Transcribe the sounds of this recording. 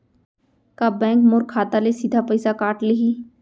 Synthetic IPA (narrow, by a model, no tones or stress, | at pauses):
kabɛ̃ːŋkmoːɾkʰːaːt̪alesid̪ʱapəɪsakaːʈlɪɦiː